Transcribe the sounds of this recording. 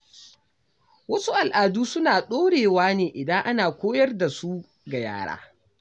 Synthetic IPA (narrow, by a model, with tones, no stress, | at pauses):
wɐ˦su˦ʔa˨lʔaː˨duː˦sʊ˦naː˨ɗoː˦ɽeː˨waː˦neː˨ʔɪ˨dɐ˦ŋʔa˦naː˨kʷoː˦jɐ˦rda˨su˦ | ɡa˨ja̰ː˦ɽa̰ː˦